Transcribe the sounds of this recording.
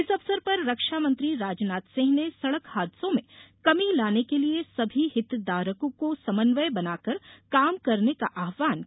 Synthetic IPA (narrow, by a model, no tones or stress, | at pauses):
ɪsɐʋsəɾpɐɾːɐkʃaːmɐ̃nt̪ɾiɾaːd͡ʒnaːt̪sɪ̃ɦnesɐɽəkhaːd̪sõmẽkɐmilaːnekeliesɐbʱiɦɪt̪ːd̪aːɾəkõkosɐmənʋəjbɐnaːkɐɾkaːmkɐɾnekaʔaːɦʋaːn